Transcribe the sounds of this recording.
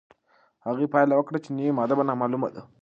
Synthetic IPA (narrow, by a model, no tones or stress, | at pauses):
haɣipajlawəkɽat͡ʃeniwimad̪abanamaluma̰d̪a